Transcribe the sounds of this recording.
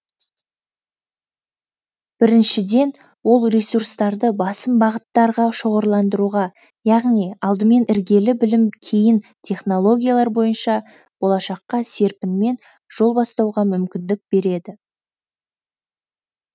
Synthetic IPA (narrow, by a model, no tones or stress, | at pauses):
b̥ɪɾɪnʃɪd̪e̞n | wo̞lˠrʲesurst̪ɑɾd̪əbɑsəmbɑʁət̪ːɑɾʁɑʃoʁəɾlˠɑnd̪əɾuʁɑ | jɑʁnijɑlˠd̪əme̞nɪɾɡʲe̞lɪbɪlɪmkʲʰe̞jɪnt̪ʲʰe̞χno̞lˠo̞ɡʲijalˠɑɾbo̞jənʃɑ | b̥o̞lˠɑʃɑqːɑse̞ɾpɪnme̞n | ʒ̥o̞lˠbɑst̪ɑwʁɑmʏmkʲɪnd̪ɪk̚b̥e̞ɾe̞d̪ɪ